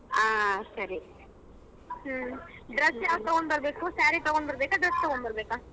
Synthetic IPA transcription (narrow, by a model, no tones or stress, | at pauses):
aːsɐɾi | ɦɖɾɐsjaːʋt̪ɔɡoɳɖbɐɾbeːkusaːɾit̪ɔɡoɳɖbɐɾbeːkad̪ɾɐst̪ɔɡoɳbɐɾbeːkaː